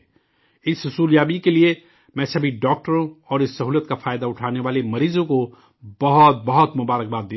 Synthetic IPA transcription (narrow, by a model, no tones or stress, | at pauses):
ɪsɦʊsuːljaːbikelie | mɛ̃ːsɐbʱiɖɔːk̚ʈəɾõɔːɾɪsːɐɦuːlət̪kafaːjd̪aʊʈʰaːneʋaːlemɐɾiːzõko | bɐɦɔt̪̚bɐɦʊt̪mʊbaːɾək̚baːt̪̚d̪e